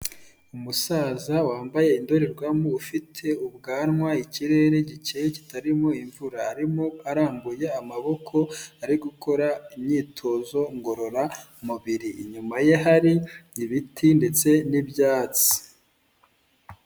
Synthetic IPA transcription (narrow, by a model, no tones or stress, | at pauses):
umusaːzawaːmbaje̞indo̞ɾeɾɡwamoufitʰe̞ubɡaːnŋwaiciɾe̞ːɾe̞ɟit͡ʃejeci̥taɾimo̞iɱvuɾaːɾimoaɾaːmbuje̞amaβo̞kʰo̞aɾiɡuko̞ɾaimɲiːtʰo̞zo̞ŋɡo̞ɾo̞ɾa | muβiɾḭːɲumaje̞ɦaɾiiβitʰinde̞t͡se̞nibjaːt͡si̥